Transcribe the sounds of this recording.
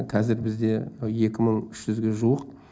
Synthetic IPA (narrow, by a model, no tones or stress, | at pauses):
qʰɑzɪɾbɪzd̪e̞je̞kʲɪməɴʏʃʒʏzɡʲe̞ʒuwəq̚